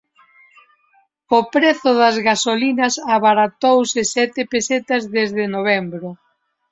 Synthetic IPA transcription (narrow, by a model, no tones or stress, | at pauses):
opɾeθʊðɐzɣasolinɐsaβaɾat̪owsɪsɛt̪ɪpeset̪ɐzðezðɪnoβ̞ɛmbɾʊ